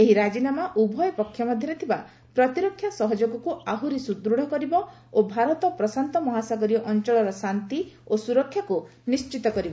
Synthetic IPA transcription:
eɦiɾad͡ʒinamaʔubʱɔjɔpɔkʰːjɔmɔd̪ʱjɔɾet̪ʰiba | pɾɔt̪iɾɔkʰːjasɔɦɔd͡ʒoɡɔkuaɦuɾisud̪ɾuɽ̤ɔkɔɾibɔ | obʱaɾɔt̪ɔpɾɔsant̪ɔmɔɦasaɡɔɾiɔʔɔnt͡ʃɔɭɔɾɔsant̪iosuɾɔkʰːjaku | nist͡ʃit̪ɔkɔɾibɔ

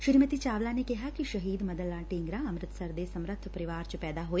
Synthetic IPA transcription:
ʃɪɾmət̪it͡ʃaːʋlanekɪɦakiʃɐɦiːd̪mɐd̪əlːaːʈĩːŋɡɾaɐmɾɪt̪əsəɾd̪esɐmɾət̪ʰːpɐɾɪʋaːɾt͡ʃəpɛːd̪aɦoːeː

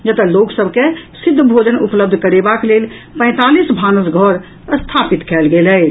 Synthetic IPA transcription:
d͡ʒət̪əloksəbʱkesid̪ʱːəbʱod͡ʒənupləb̚d̪ʱkəɾebaklel | pə̃ɪ̃t̪alisbʱanəsɡʱəɾ | əst̪ʰapit̪kʰɛlɡelɛ

